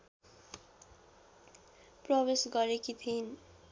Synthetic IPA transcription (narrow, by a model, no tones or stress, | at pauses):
prʌβesɡʌɾekit̪ʰin